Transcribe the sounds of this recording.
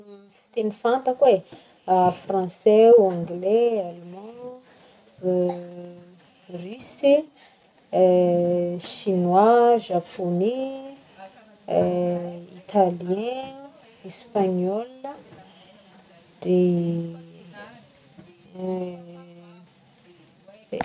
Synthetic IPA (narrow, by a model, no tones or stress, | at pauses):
ifi̥t̪enifant̪əkwe | afrɑ̃sɛãŋɡlealmãnu | rysi | ʃinwaʒapʰone | it̪alijɛ̃ | ispaɲɔlə | de | zḛ